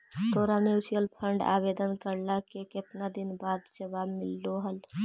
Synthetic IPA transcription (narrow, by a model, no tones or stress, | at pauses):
t̪oɾameusijəlpʰəɳɖa̰bed̪ənkəɾlakekep̪nad̪inbad̪d͡ʒəbabmilːoɦəl